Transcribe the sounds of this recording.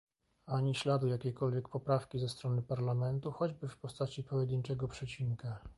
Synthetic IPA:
aɲiɕlad̪ujakʲɛkɔlvʲjɛk̚pɔpɾafkʲizɛst̪ɾɔnɘpaɾlamɛnt̪uxɔd͡ʑbɘfpɔst̪at͡ɕipɔjɛd̪ɘɲt͡ʂɛɡɔpʂɛt͡ɕiŋka

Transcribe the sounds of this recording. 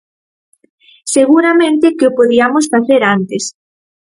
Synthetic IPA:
seɣuɾamẽnt̪ɪkɪʊpoðiamosfaθeɾant̪es

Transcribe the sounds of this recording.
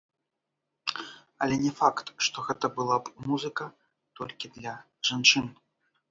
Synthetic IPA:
ɐlʲɛnʲɛfakt̪ʂt̪ɔɣɛt̪ɐbɨlˠabmuzɨkɐ | t̪ɔlʲkʲid̪lʲɐ | ʐant͡ʂɨn

